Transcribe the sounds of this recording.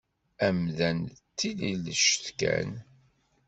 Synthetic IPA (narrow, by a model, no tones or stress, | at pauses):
æmðænt̪ːililəʃəθkæ̰n